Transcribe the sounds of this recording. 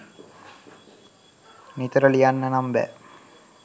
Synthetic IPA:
nit̪əɾəlijanːənambæ̰

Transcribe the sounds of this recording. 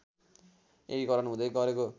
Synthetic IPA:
eikʌɾʌnɦũd̪ʌjɡʌɾeko

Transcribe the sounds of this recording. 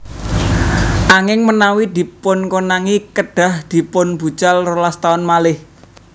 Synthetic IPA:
ʔaŋɪŋmənawid̪̥i̤pʊnkonaŋikəɖ̥a̤hd̪̥i̤pʊnb̥ṳt͡ʃalrolast̪aɔnmalɪh

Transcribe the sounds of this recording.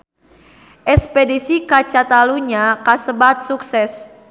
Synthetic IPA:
ʔɛspedisikat͡ʃat̪aluɲakasəbat̪̚suksɛs

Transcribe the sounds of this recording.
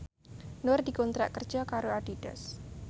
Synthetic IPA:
nʊrdikɔnt̪ɾa̰ʔkərd̥d͡ʒakaɾoaɖ̥id̥a̰s

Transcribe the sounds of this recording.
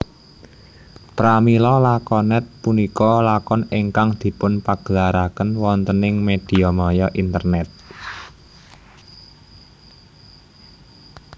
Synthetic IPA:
pɾamilɔlakɔnɛt̪̚punikɔlakɔneŋkaŋd̪̥i̤pʊnpaɡ̥əlaɾakənwɔnt̪ənɪŋmed̪̥i̤ɔmɔjɔʔint̪ərnɛt̪̚

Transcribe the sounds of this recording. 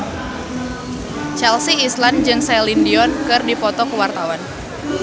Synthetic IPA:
t͡ʃɛlsiːsland͡ʒɨŋsɛlindiɔnkɨrdipɔt̪ɔkəwart̪awan

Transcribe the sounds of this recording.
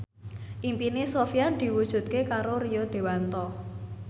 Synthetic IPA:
ʔimpinesofijad̪̥i̤wud̥ʒ̥ṳt̪̚kekaɾorijod̪̥i̤want̪ɔ

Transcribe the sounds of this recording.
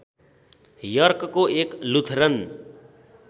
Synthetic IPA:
jʌrkkoeklut̪ʰrʌn

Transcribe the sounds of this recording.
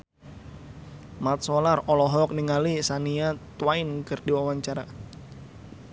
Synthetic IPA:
mat̪̚sɔlarɔlɔɦɔk̚niŋalisaniat̪waɪnkɨrdiwawaɲt͡ʃaɾa

